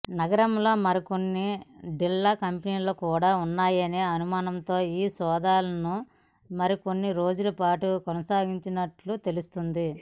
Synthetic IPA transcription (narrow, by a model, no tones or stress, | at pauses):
nɐɡɐɾɐmlo̞ːmɐɾiko̞nːiɖilːɐkɐmpiniːloːkuːɽaːunːaːjɐneːɐnumaːnɐnt̪o̞ːiːsɔːd̪aːlɐnu | mɐɾiko̞nːiɾo̞ːd͡ʒulɐpaːʈukɔnɐsaːɡiɲt͡ʃinɐʈlut̪e̞lust̪und̪i